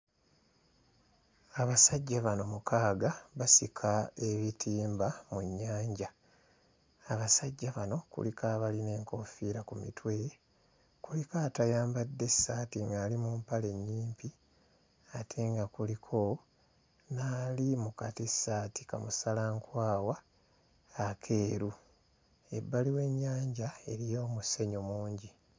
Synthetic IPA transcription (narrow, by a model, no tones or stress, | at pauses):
aβasaɟːaβano̞mukʰaːɡaβasikʰae̞βitʰiːmbamuɲːaːɲɟa | βasaɟːaβano̞kṵlikaːβaline̞ːŋko̞fiːɾakumḭtwe̞ | kulikaːtajaːmbadːe̞saːtiŋɡaːlimumpale̞ɲːiːmpi | atʰe̞ŋɡakulikʰo̞ | naːlimukatisaːti̥ka̰musalaŋkwaːwaː | kʰe̞ːɾu | e̞̰bːaliwe̞ɲːaːɲɟae̞ɾijo̞ːmuse̞ɲomuːɲɟi